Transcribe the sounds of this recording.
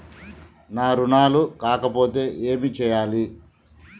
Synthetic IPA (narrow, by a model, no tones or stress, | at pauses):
naːɾunaːlukaːkɐpo̞ːt̪e̞ːʔeːmit͡ʃɛːjaːli